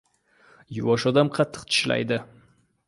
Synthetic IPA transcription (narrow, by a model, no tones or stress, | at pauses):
jʊwɒʃɒd̪amqʰɑt̪ʰːɨ̥qt̪ʰɪ̥ʃla̰jd̪ɪ